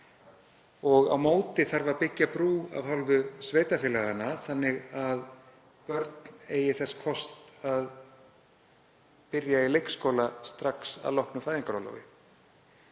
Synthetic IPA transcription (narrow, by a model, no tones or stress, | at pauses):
ɔɣa̰wmoːwt̪ɪθaɾvaɾpɪcːapɾuːa̰vhalvʏsveːjt̪afjɪlaɣanaθanːɪɣað | pœɾt̪neːjɪθɛsːḁkʰɔst̪að | pɪɾjailejkskoːwlast̪ɾaksa̰ðlɔhknʏfaːjðiŋkaɾawla̰wvɪ̰